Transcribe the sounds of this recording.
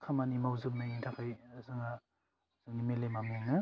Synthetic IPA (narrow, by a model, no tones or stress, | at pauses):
kʰamanimawzɯp̚naintʰakʰajzɯŋa | z̥ɯŋnimelemameŋnɯ